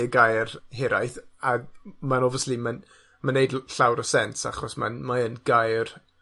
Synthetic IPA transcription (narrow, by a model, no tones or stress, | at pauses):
əɡajrɦɪɾajθamanɔvəsliman | manejdɬawɾəsɛnsa̰χɔsma̰nmaənɡ̥ajr